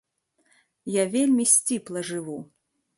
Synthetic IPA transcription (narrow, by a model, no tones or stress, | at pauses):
javʲelʲmʲisʲt͡sʲiplˠɐʐɨvu